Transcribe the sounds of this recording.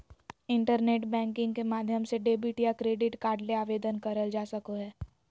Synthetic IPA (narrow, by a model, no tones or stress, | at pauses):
ɪ̃ɳʈəɾneːʈbɛ̃ːŋkɪ̃ŋɡkemaːd̪ʱjəmseɖeːbiʈijakɾeːɖɪʈkaːɾɖleaːʋeːd̪ənkɐɾəld͡ʒaːsəkoɦɛː